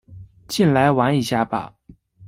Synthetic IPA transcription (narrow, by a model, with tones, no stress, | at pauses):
t͡ɕi˥˩nla˧˥ɪwa˧˥ŋi˧˩ɕja˥˩pa̰˨˩˦